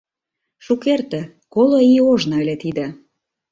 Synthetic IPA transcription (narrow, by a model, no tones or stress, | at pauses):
ʃukert̪ĕ | koloioʒnelʲet̪id̪ə̆